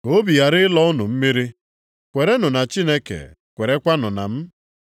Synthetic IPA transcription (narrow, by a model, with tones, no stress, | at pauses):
ko˦bi˨ja˨ɾɪ˦lɔ˦ʊ˦nʊ̰˨m̩˦mi˦ɾi˦ | kʷe˨ɾe˦nʊ˨na˨t͡ʃi˦ne˦kḛ˨ | kʷe˨ɾe˦kʷa˦nʊ˨na̰˨m̩˦